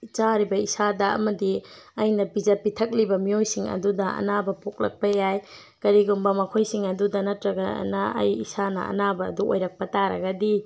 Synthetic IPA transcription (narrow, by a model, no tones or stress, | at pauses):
t͡ʃaɾibɐisadɐɐ̰mɐdi | ɐjnɐbid͡ʒepitʰɐk̚libɐmijojsiŋɐ̰dudɐɐ̰nabɐpok̚lɐ̰k̚pɐjaj | kɐɾiɡumbɐmɐkʰojsiŋɐdudɐnɐtɾɐɡɐ̰nɐɐ̰jḭsanɐ̰ɐ̰nabɐ̰ːduo̰jɾɐk̚pɐtaɾɐ̰ɡɐdi